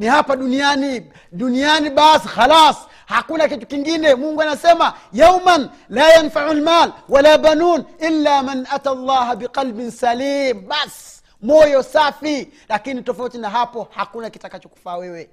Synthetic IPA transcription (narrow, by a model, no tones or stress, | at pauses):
nihapaɗunijani | ɗunijaniɓasixalaːs | hakunakitu̥kiŋɡinɛmuŋɡuanasɛmajawman | laːjanfaʕulmaːlwalabanuːnilːaːmanʔatalˤːɑːhabiqalbinsaliːmɓas | mɔjɔsafilakinitɔfautinaɦapɔhakunakitakat͡ʃɔku̥fawɛwɛ